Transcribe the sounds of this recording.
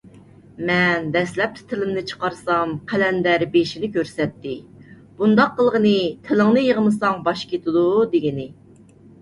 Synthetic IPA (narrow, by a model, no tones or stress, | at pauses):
mɛnbɛslɛp̚t̪ʰɪ̥t̪ʰɪlɪmnɨt͡ʃʰə̥qɑɾsɑmqʰælɛnd̪æɾbeʃinɪkʲʰøɾsɛt̪ːɪ | b̥und̪ɑqːəlˠʁənɨt̪ʰɪlɪŋnɨjəʁəmɨsɑŋbɑʃkʲʰet̪ʰɨd̪ud̪eɡʲinɪ